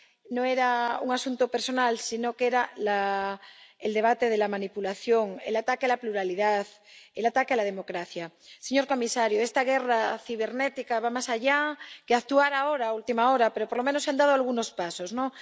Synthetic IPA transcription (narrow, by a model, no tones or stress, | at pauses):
noeɾaṵŋasunt̪opeɾsonalsinokeɾala | eld̪e̞β̞at̪eð̞e̞lamanipulaθjo̞ŋḛlat̪akealapluɾaliðaθ | elat̪akealað̞emo̞kɾaθjaseɲo̞ɾko̞misaɾjoest̪aɣ̞eraθiβ̞e̞ɾnet̪ikaβamasaʎakeak̚t̪uaɾaoɾaːult̪imaoɾapeɾo̞poɾlo̞menoseand̪aðoalɣ̞uno̞spasozno